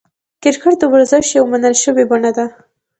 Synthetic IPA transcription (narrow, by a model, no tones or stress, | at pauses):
kɪɾkəʈ̚d̪əwaɾzəʃjawmanəlʃəwebaɳad̪a